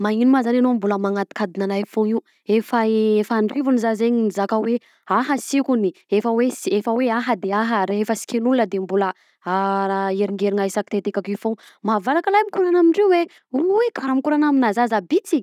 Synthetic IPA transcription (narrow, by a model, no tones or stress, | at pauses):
mainumazananombuləmaŋat̪i̥kad̪inanafoiw | efaefaɳɖ͡ʐivunizazeɲinizakəwe | aɦəsikuniefəwesefəweaɦəd̪eaɦəɾeefəsi̥kʲenulunəd̪embulə | aɾeɾiŋɡeɾiŋaisaki̥t̪et̪ekakifo | mavalakəlajamikuɾanamiɳɖ͡ʐewwe | uwekʰaɾamikuɾanaminazazabit͡si